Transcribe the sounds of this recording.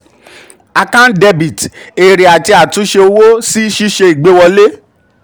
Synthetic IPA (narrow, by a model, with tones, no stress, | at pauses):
a˧kã˦n˦de˧bi˨te˨ɾi˨a˨ti˧a˨tũ˨˦ʃe˧o˧wo˦si˦ʃi˦ʃe˧i˨ɡ͡be˨˦wɔ˧le˦